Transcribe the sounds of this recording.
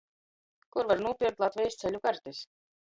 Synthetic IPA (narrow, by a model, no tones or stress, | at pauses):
kuɾvaɾnuɔpʲiɾk̚t̪lˠat̪vʲɛjst̪sɛlʲukaɾt̪is